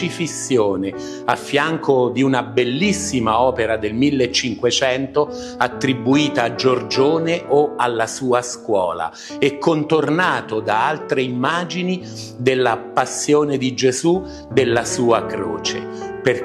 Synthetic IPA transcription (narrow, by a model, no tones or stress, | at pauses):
ifisːjoːne | afːjaŋkod̪iunabelːisːimaɔːpeɾad̪elmilːet͡ʃːiŋkwet͡ʃɛnt̪o | at̪ːɾibuiːt̪aːd͡ʒord͡ʒoːneʔoalːasuːaskwɔ̰ːla̰ | ɛkːont̪ornaːt̪od̪aalt̪ɾeimːaːd͡ʒini | d̪elːapasːjoːned̪id͡ʒezu | d̪elːasuːakɾo̰ːt͡ʃḛ | per